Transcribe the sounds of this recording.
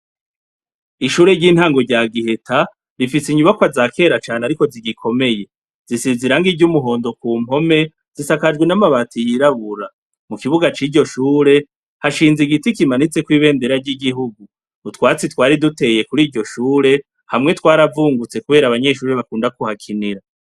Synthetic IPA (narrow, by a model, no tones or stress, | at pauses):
iʃuːɾe̞ɾɟiːn̥haːŋɡo̞ɾɟaːɡihe̞tʰa | ɾifisiɲuβakwazaːkʰe̞ːɾat͡ʃaːneaɾiko̞ziɡikʰo̞me̞je̞ | z̥isiziɾaŋɡivɟumuɦo̞ːndo̞kuːm̥ho̞me̞ | z̥isakad͡ʒɡwenamaβatʰijiɾaβuɾa | mukiβuɡat͡ʃiːɾɟo̞ʃuːɾe̞ | haʃiːnziɡitikimanit͡se̞kwiːβe̞ːnde̞ɾaɾɟiɡiɦuɡu | utwaːt͡sitwaːɾidute̞je̞kuɾiːɟo̞ʃuːɾe̞ | hamŋe̞twaːɾavuːŋɡut͡se̞kuβe̞ːɾaβaɲe̞ʃuːɾeβakuːndakuhakʰiniɾa